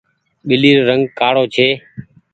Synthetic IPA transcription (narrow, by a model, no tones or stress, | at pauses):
ɓɪliːɾːəŋɡ̚kaːɽoːt͡ʃʰeː